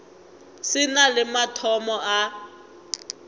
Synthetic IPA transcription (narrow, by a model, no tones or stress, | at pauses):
sɪnalɪmatʰɔmɔʔa